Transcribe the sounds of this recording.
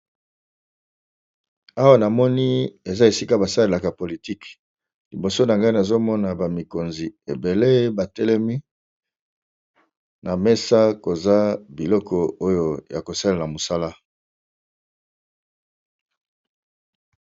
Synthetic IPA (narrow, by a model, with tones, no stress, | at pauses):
a˦wa˦na˨mɔ˦ni˦e˨za˦e˨si˦ka˦ba˨sa˦le˨la˨ka˨po˨li˨ti˦k | li˨bo˨so˦na˨ŋɡa˦i˦na˨zo˦mɔ˦na˨ba˨mi˨ko˨nzi˨e˨be˨le˦ba˨tɛ˦lɛ˦mi˦ | na˨mɛ˦sa˦ko˨za˦bi˨lɔ˦kʰɔ˨o˦jo˦ja˨ko˨sa˦la˨a˨mo˨sa˦la˦